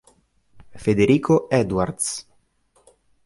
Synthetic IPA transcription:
fed̪eɾiːkʰoɛd̪uward̪s

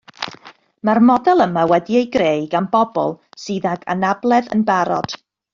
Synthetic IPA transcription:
marmɔdɛlˠəmawɛdiejɡreɨɡanbɔbɔ̰lˠsɨːðaɡa̰nablˠɛðə̰nbaɾɔ̰d̥

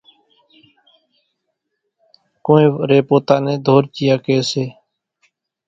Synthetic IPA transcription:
kõːẽːɾeːpoːt̪aːnẽːd̪ʱoːɾt͡ʃɪjaːkeːseː

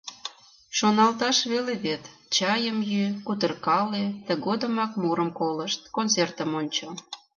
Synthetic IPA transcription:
ʃonɑlt̪ɑʃβeleβet̪t͡ɕɑjəmjykut̪ərkɑlet̪əɣod̪əmɑkmuɾəmkoləʃt̪̚kont͡sert̪əmonʲt͡ɕo

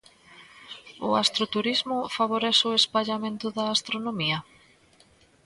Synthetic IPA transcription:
ʊast̪ɾot̪uɾizmʊfaβoɾɛsʊespaʎamẽnt̪ʊðaːst̪ɾonomiɐ

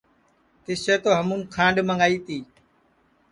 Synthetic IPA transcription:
t̪ɪseːt̪oːɦəmũːnkʰãːɳɗməŋɡaːiːt̪iː

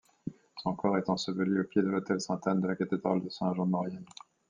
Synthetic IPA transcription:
sɔ̃kɔʁɛt̪ɑ̃səvəlyopjed̪əlot̪ɛlsɛ̃t̪and̪əlakat̪ed̪ʁald̪əsɛ̃ʒɑ̃ɔ̃ʁjɛn

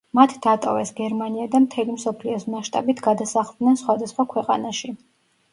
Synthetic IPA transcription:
mat̪ʰd̪at̪ʼɔvɛsɡɛɾmaniad̪amt̪ʰɛlimsɔpʰliɔsmaʃt̪ʼa̰bit̪ʰɡad̪asaχlˠd̪nɛnsχwad̪asχwakʰwɛqʼanaʃi

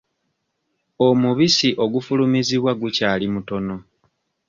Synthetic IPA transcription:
omuβisiʔo̞ɡufulumiziβwaɡucaːlimuto̞no̞

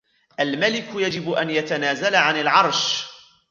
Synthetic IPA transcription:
ʔalmalɪkʊjad͡ʒɪbʔanjat̪anaːzalaʕanɪlʕɑɾˤʃ

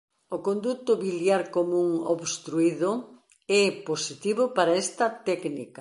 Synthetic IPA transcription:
okond̪ut̪ʊβiljaɾkomũŋo̰βst̪ɾuiðo | ɛposit̪iβʊpaɾaɛst̪ɐt̪ɛknḭkɐ

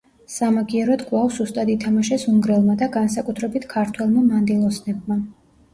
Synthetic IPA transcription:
samaɡiɛɾɔd̪ɡʼvavszust̪ʼad̪it̪ʰamaʃɛsuŋɡɾɛlˠmad̪aɡansakʼut̪ʰɾɛbit̪ʰkʰaɾt̪ʰwɛlˠmamand̪ilˠɔsnɛb̚ma

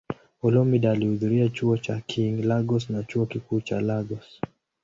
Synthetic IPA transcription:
ɔlɔmiɗaːlihuðuɾiat͡ʃuɔt͡ʃakʰiŋlaɡɔsnat͡ʃuɔkikuːt͡ʃalaɡɔs

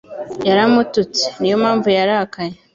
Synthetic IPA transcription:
jaɾamutut͡se̥nijo̞maːɱvujaɾakaje

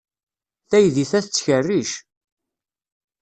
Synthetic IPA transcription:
θæjðiθæθət͡sːçərːiʃ

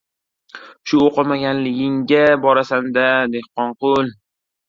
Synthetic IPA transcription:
ʃʊoqɨmaɡʲanlɪɡʲɪŋɡʲabɒɾasand̪ad̪ehqɒɴqʊlˠ

